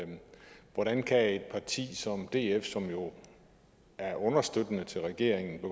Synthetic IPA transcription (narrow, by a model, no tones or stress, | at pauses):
ʋɒɾænkʰæe̝d̥̚pʰɑ̈t͡sʰḭːsɒ̽md̥e̝ːefsɒ̽mjo̝ | æɐʔɔ̽nɐsd̥ød̥ənət͡sʰe̝lʁɛɡ̥e̝̰ɐ̰eŋn̩b̥e